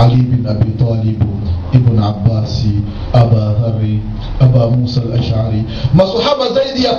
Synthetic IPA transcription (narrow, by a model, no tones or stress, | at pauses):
alibɪnʔabiːt̪ˤɑːlɪbʔɪbɪnʕabːaːs | ʔabaːðɑrˤːi | ʔabaːmuːsalʔaʃʕaɾi | masˤʊħamazajd̪ɪja